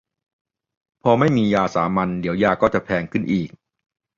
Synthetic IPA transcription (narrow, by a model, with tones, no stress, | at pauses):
pʰɔː˧ma˥˩jmiː˧jaː˧saː˩˦ma˧ndi˩˦wjaː˧kɔː˥˩t͡ɕa˨˩pʰɛː˧ŋkʰɯ˥˩nʔiː˨˩k̚